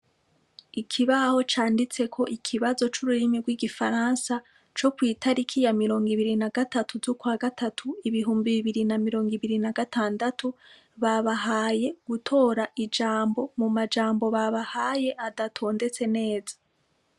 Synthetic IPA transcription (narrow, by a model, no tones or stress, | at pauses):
ikʰiβaho̞t͡ʃaːndit͡se̞kʰo̞ʔikʰiβazo̞t͡ʃuɾuɾimiɾɡwiːɡifaɾansa | t͡ʃo̞kwiːtʰaɾikʰijamiɾo̞ːŋɡiβiɾinaɡatatʰuzukwaːɡatʰatʰuiβiɦuːmbiβiβiɾinamiɾo̞ːŋɡiβiɾinaɡataːndatʰu | βaβaɦaːje̞ɡ̥utʰo̞ːɾaʔid͡ʒaːmbo̞mumad͡ʒaːmbo̞βaβahaje̞ʔadatʰo̞ːnde̞t͡se̞ne̞ːzḁ